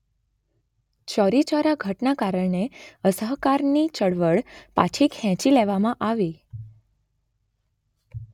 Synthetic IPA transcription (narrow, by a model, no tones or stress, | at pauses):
t͡ʃɔɾit͡ʃɔɾaɡʱəʈnakaɾəɭɳeəsəɦkaɾnit͡ʃəɽʋəɭpa̰t͡ʃʰikʰɛ̃t͡ʃileʋamãʔaʋi